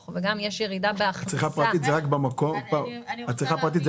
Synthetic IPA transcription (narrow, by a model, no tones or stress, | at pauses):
χveɡamjeʃjeʁid̪abeaχat͡sʁiχapʁat̪it̪zeʁakbamakopaat͡sʁiχapʁat̪it̪z